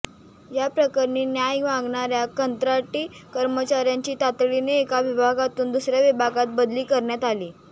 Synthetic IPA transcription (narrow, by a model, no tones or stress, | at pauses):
japɾəkəɾɳiːnjajʋãŋɡɳaɾjakənt̪ɾaʈiːkəɾmət͡ɕaɾjaɲt͡ɕiːt̪at̪ɭineːkaʋibʱaɡat̪uːnd̪usɾjaʋibʱaɡat̪̚bəd̪liːkəɾɳjat̪aliː